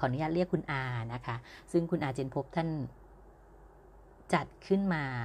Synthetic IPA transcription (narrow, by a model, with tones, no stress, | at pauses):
kʰɔː˨˩˦nu˦jaː˧˥t̪̚ɾi˥˩əkʰːu˧nʔaː˧na˦˥kʰa˦˥sɯ˥˩ŋkʰu˧nʔaː˧tt͡ɕe˧e˧npʰo˦˥p̚t̪ʰa˥˩n | t͡ɕa˨˩t̪̚kʰɯ˥˩nmaː˧